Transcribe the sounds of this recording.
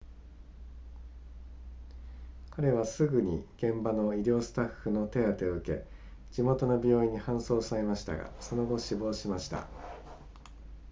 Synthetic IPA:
kʰaɾe̞β̞asɨɡɯ̟ɲ̟iɡ̥ẽ̞mbano̞iɾʲo̞ːsɨ̥t̪aɸːɯ̟no̞t̪e̞at̪e̞ɯ̟ke̞̰ | d͡ʑimo̞t̪o̞no̞bʲo̞ːĩɲ̟ːihãɰ̃so̞ːsaɾe̞maɕi̥t̪a̰ɡa̰so̞no̞ɡo̞ɕibo̞ːɕimaɕi̥t̪a̰

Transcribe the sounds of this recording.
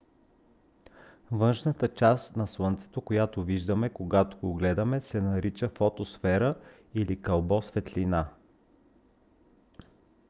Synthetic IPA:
vɤnʃnət̪ət͡ʃast̪nɐswɤnt̪sɛ̥t̪okojat̪oviʒd̪əmɛkoɡat̪oɡoɡlɛd̪ɐmɛsɛnɐɾit͡ʃəfot̪osfɛɾə | ilikɐlˠbɔsvɛt̪lina

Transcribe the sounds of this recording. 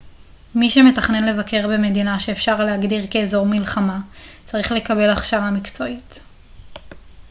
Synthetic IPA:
miʃe̞me̞taχne̞nle̞vakʰe̞ʁbe̞me̞dinaʃe̞ːfʃaʁleɦaɡdiʁke̞ːzo̞ʁmilχamat͡saʁiχle̞kabe̞laχʃaamikt͡so̞it

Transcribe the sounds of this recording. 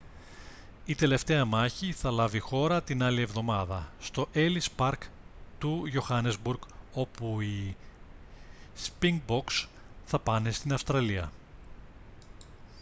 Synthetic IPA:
it̪e̞le̞ft̪e̞ɐmɐçiθɐlɐvixo̞ɾɐt̪inɐlie̞vðo̞mɐðɐst̪o̞ʔe̞lispɐɾk | t̪uʝo̞xɐnezbuɾɡo̞pui | spiŋɡ̚bo̞ks | θɐpɐne̞st̪inɐfst̪ɾɐliɐ̰

